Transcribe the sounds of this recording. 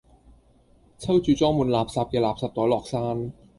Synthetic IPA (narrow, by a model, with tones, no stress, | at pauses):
t͡ɕʰa˥˩wt͡ɕyː˨˩t͡ɕɔː˥˩ŋmu˧nlaː˨˩p̚sa˨˧˩p̚ka˨˧˩laː˨˩p̚sa˨˧˩t̪̚ːɔː˨˦lɔː˨˩k̚saː˧˥˩n